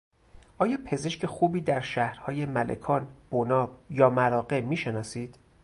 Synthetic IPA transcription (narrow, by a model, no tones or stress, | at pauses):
ʔɒːjɒːpʰe̞ze̞ʃcʰe̞xuːbiːd̪æɾʃæhɾhɒːje̞mælḛkʰɒːnb̥onɒːb̥jɒːmæɾɒːɣe̞miːʃe̞nɒːsiːd̪̥